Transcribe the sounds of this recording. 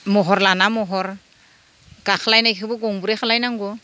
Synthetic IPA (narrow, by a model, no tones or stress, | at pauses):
mɔɦɔɾlanamɔɦɔɾ | ɡ̥axʰalajnajkʰɯbɔɡɔŋbuɾɛxʰalajnaŋɡɔ